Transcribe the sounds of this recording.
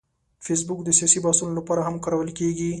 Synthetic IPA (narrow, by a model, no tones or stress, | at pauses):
fes̬bʊkd̪əsijɑsibɑst̪unolapɑɾaɦamkaɾawəlkeɡi